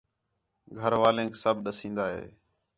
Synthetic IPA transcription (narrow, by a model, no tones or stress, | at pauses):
ɡʱəɾʋaːlẽːksəbʱɗəsĩːnd̪aːɦḛː